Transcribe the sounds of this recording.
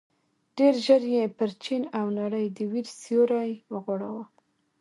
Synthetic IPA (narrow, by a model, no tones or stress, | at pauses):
ɖ̥eɾʒəɾjepəɾt͡ʃinawnaɽəjd̪əwiɾsijoɾɑjwəɣoɽawə